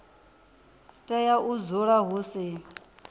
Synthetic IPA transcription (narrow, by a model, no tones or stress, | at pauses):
tʼɛjaʔud͡zuɺaɦusɪ